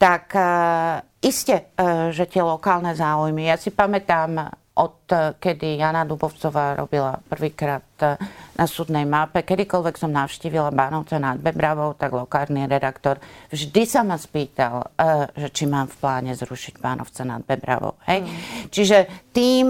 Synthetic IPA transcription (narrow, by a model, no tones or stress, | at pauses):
t̪ak | iscɛʒɛt̪ɪɛlɔkaːlnɛzaːujmijasipamɛt̪aːm | ʔɔt̪kɛd̪ijaːnad̪ubɔʊt͡sɔʋaːɾɔ̰bilapr̩ʋiːkɾaːt̪nʔasuːd̪nɛjmapɛkɛd̪ikɔlʋɛksɔmnaʊʃciːʋilabaːnɔʊt͡sɛnad̪̚bɛbɾaʋɔʊt̪aɡlɔkaːɾniɾɛd̪akt̪ɔɾvʒd̪isamaspiːt̪alʒɛt͡ʃimaːmfplaːɲɛzɾuʃiɟbaːnɔ̰ʊt͡sɛna̰d̪̚bɛbɾa̰ʋɔ̰ʊhɛjt͡ʃiʒɛt̪iːm